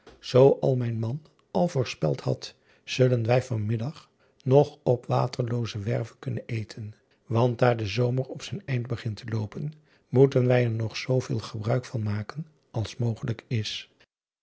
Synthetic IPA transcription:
z̥owʔɑlˠmɛjnmɑn | ɑlˠvʊːɹspɛ̰lˠthɑ̰t | z̥ɵlənʋɛjvɑnmɪdɑχ | nɔχɔpʋa̰ːtəɹlowzəʋɛɹvəkɵnənejtʰən | ʋɑnt̚daːɹdəzowmərɔpsɛjnɛjnd̚bəχɪntəlowpən | mutənʋɛjɛɹnɔχsowvɪ̰ːlˠχəbrœɥkfɑnmaːkən | ʔɑlˠsmowχələkɪs

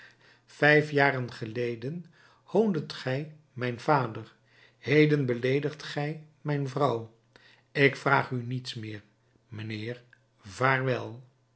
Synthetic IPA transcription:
v̥ɛjfjaːrənχəlejdən | howndətχɛj | mɛjnvaːdəɹ | hejdənbəlejdəχtχɛj | mɛjnvrɑw | ɪkfraːχynitsmɪːɹ | mənɪːɹ | vaːɹʋɛlˠ

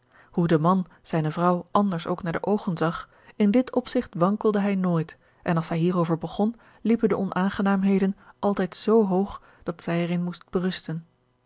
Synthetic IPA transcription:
hudəmɑn | z̥ɛjnəvrʌwʔɑndəɹso̰wknaːɹdəʔowχənzɑχ | ɪndɪtʰɔpsɪχtʋɑŋkəlˠdəɦɛjnoːjt | ʔɛnɑlˠshɛjɦiːrowvəɹbəχɔn | lipəndəɔnʔaːnχənaːmɦejdənʔɑlˠtɛjtsowɦowχ | d̥ɑtsɛjɛɹɪnmust̚b̥ərɵstən

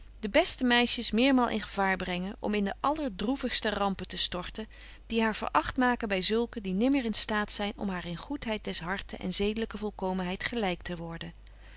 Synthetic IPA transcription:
d̥əbɛstəmɛjʃəsmɪːɹmaːlˠʔɪ̰nχəvaːɹbrɛŋənʔɔ̰mɪndəʔɑləɹdruvəχstərɑmpətəstɔɹtən | d̥iɦaːɹv̥ə̰ɹʔɑχtmaːkənbɛjzɵlˠkədinɪməɹɪnstaːtsɛjnɔ̰mɦaːɹɪnχutɦɛjt̚dɛsɦɑɹtəʔɛ̰nzejdələkəvɔlˠkowmənɦɛjtχəlɛjk̚tʰəʋɔɹdən

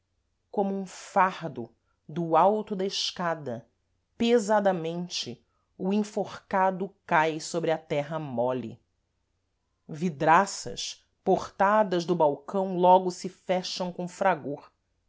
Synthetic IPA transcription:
kõmʊũfahd̪ʊ | d̪ʊawt̪ʊd̪ɐɪʃkad̪ɐ | pezad̪ɐmẽnt͡ʃɪ | ʊĩfoχkad̪ʊkajsobɾɪɐt̪ɛɦɐmɔlḭ | vid̪ɾasɐ̰ʃ | poχt̪ad̪ɐʒd̪ʊbawkɐ̃w̃lɔɡʊsɪfɛʃɐ̃w̃kõw̃fɾaɡoɾ

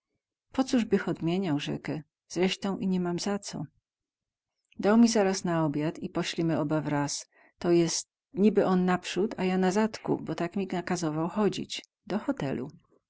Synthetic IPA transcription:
pɔt̪suʐbɘxɔd̪mʲjeɲawʐɛ̰kɛ | z̥ɾɛʂt̪ɔ̃w̃ʔiɲɛmamzat̪sɔ̰ | d̪awmʲizaɾasnaɔbʲjat̪ipɔɕlʲimɘɔbavɾas | t̪ɔjɛst̪̚ | ɲibɘʔɔnːapʂut̪ajanazat̪kṵbɔt̪akmʲiɡnakazɔvawxɔd͡ʑḭt͡ɕ | d̪ɔxɔt̪ɛ̰lṵ

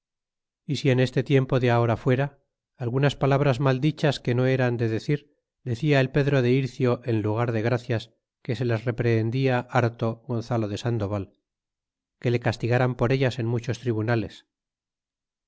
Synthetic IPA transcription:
isie̞ne̞st̪e̞t̪je̞mpo̞ðeao̞ɾafwe̞ɾaː | lɣunaspalaβɾazmald̪it͡ʃaske̞no̞e̞ɾand̪e̞ðe̞θiɾ | d̪e̞θiae̞lpe̞ðɾo̞ðe̞iɾθjo̞ʔe̞nluɣ̞aɾðe̞ɣɾaθjas | ke̞se̞lasre̞pɾeːnd̪iaʔaɾt̪o̞ɣo̞nθalo̞ðe̞sand̪o̞βal | ke̞lekast̪iɣaɾampo̞ɾe̞ʎase̞nmut͡ʃo̞st̪ɾiβunale̞s

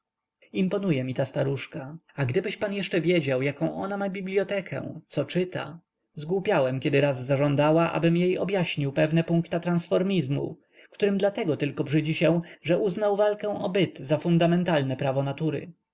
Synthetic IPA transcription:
impɔnujɛmʲit̪ast̪aɾuʂkaaɡd̪ɘbɘɕpanjɛʂt͡ʂɛvʲjed͡ʑawjakɔ̃ʔɔnamabʲiblʲjɔt̪ɛkʰɛ̰̃t̪sɔt͡ʂɘt̪a̰ | zɡwupʲawɛmkʲɛd̪ɘɾazːaʐɔ̃nd̪awaʔa̰bɘmjejɔbjaɕɲiwpɛvnɛpuŋkt̪at̪ɾansfɔɾmʲizmṵ | kt̪uɾɘmd̪lat̪ɛɡɔt̪ɘlkɔbʐɘd͡ʑiɕɛ̃ʐɛʔuznawvalkɛw̃ʔɔbɘt̪zafund̪amɛnt̪alnɛpɾavɔnat̪uɾɘ̰

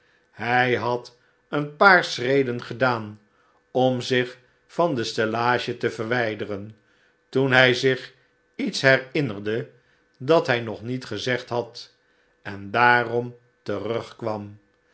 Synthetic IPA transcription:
hɛjɦɑt | ənpaːɹsrejdənχədaːn | ɔmzɪχ | fɑndəstelaːʒətəvəɹʋɛjdərən | tunɦɛjzɪχ | itsɦɛɹɪnərdə | dɑtɦɛjnɔχnitχəzɛχtɦɑt | ɛndaːrɔm | tərɵχkʋɑm

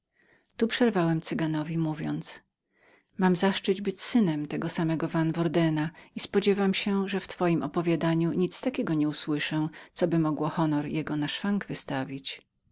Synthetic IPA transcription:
t̪upʂɛɾvawɛmt̪sɘɡanɔvʲimuvʲjɔnt̪s | mamzaʂt͡ʂɘd͡ʑbɘt͡ɕsɘnɛmt̪ɛɡɔsamɛɡɔvanvɔɾd̪ɛnaispɔd͡ʑɛvamɕɛʐɛft̪fɔjimɔpɔvʲjad̪aɲuɲit̪st̪akʲɛɡɔɲɛuswɘʂɛt̪sɔbɘmɔɡwɔxɔnɔɾjɛɡɔnaʂfaŋɡvɘst̪avʲit͡ɕ

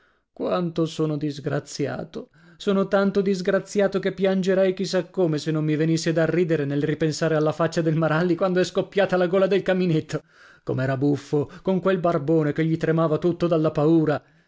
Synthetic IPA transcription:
kwant̪osoːnod̪izɡɾat̪sja̰ːt̪o | soːnot̪ant̪od̪izɡɾat̪sːjaːt̪okepːjand͡ʒeɾɛjk̟isːakːoːmesenːomːivenisːed̪arːiːd̪eɾenelripensaːɾealːafat͡ʃːad̪elmaɾalːikwand̪oɛskopːjaːt̪alaɡoːlad̪elkaminet̪ʰːo | komɛːɾabufːokoŋkwelbarboːnekeʎːit̪ɾemaːvat̪ut̪ːod̪alːapauːɾa

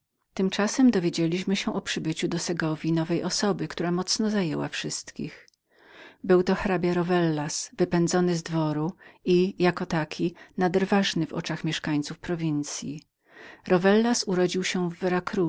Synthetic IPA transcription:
t̪ɘmt͡ʂasɛmd̪ɔvʲjed͡ʑelʲiɕmɘɕɛʔɔpʂɘbɘt͡ɕud̪ɔsɛɡɔvʲinɔvɛjʔɔsɔbɘkt̪uɾamɔt̪snɔzajɛwa̰fʂɘst̪kʲḭx | bɘwt̪ɔxɾabʲjaɾɔvɛlːasvɘpɛnd̪zɔnɘzd̪vɔɾuijakɔt̪akʲʰinad̪ɛɾvaʐnɘvɔ̰t͡ʂaxmʲɛʂkaɲt̪sufpɾɔvʲint̪sʲji | ɾɔvɛlːasuɾɔd͡ʑiwɕɛvːɛɾakɾu

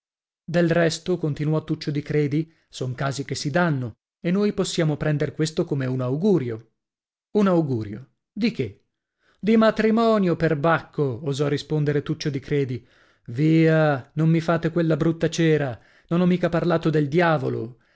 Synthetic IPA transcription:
d̪elrɛst̪okont̪inuɔt̪ːut͡ʃːod̪ikɾɛːd̪i | soŋkaːzik̟esːid̪anːo | enːoːjposːjaːmopɾɛnd̪eɾkwest̪okomeunawɡuːɾjo | unawɡuːɾjo | d̪ike | d̪imat̪ɾimɔːnjoperbakʰːoːzɔrːispond̪eɾet̪ut͡ʃːod̪ikɾɛːd̪i | viːanomːifaːt̪ekwelːabɾut̪ːat͡ʃɛːɾa | nonɔmːiːkaparlaːt̪od̪eld̪jaːvolo̰

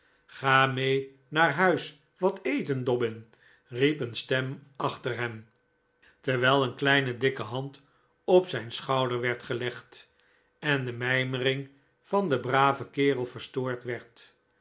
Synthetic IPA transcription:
χaːmej | naːɹɦœɥs | ʋɑtejtəndɔbɪn | ripənstɛmɑχtəɹɦɛm | təɹʋɛlˠənklɛjnədɪkəɦɑnt | ɔpsɛjnsχɑwdəɹʋɛɹtχəlɛχt | ɛndəmɛjmərɪŋ | fɑnd̪əbraːvəkɪːrəlˠfəɹstoːɹtʋɛɹt

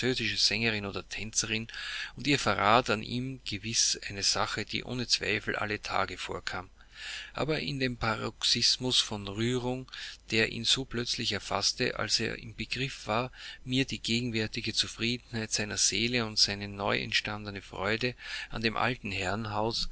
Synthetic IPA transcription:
t͡søːzɪʃəz̥ɛŋəʁɪnoːdɐtʰɛnt͡səʁɪnʊntiːɐfɛɐʁaːtanʔiːmɡ̥əvɪsʔæɪnəz̥aχəd̥ḭːʔo̰ːnət͡sv̥a̰ɪfl̩ʔa̰lətʰa̰ːɡəfo̰ːɐkʰaːm | ʔʔa̰ːbɐʔɪ̰ndeːmpʰaʁɔksɪsmʊsfɔnʁyːʁʊŋd̥eːɐʔḭːnz̥oːplœt͡slɪçɛɐfa̰stə̰ʔa̰lsḛːɐʔɪ̰mbəɡ̥ʁɪfv̥aːɐmiːɐdiːɡ̥eːɡŋ̩vɛɐtɪɡət͡sufʁiːdn̩haɪtz̥aɪnɐz̥eːləʊntz̥aɪnənɔʏʔɛ̰ntʃtandənəfʁɔ̰ʏdəʔa̰ndeːmʔa̰ltn̩ɦɛɐnɦaʊs

